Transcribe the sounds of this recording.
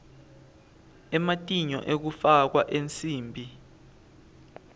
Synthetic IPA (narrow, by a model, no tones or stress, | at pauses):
ɛmatʼiɲɔ̰ʔek̬ufak̬waʔent͡sʼiːmbʱi